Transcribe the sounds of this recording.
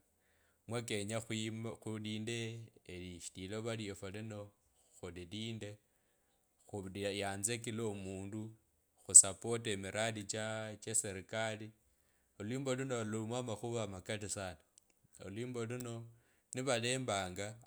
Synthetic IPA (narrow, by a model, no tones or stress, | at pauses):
mwake̞ɲaxxuliːndeːliʃi̥tiloβaliofalino̞ | xuliliːnde̞ | xujaːnzekilomuːndu | xusapo̞temiɾʔadit͡ʃat͡ʃeseɾikali | oliːmbo̞luno̞lumwamaxuβamakatisana | o̰lwiːmbo̞luno̞ | niβale̞ːmbaːŋɡa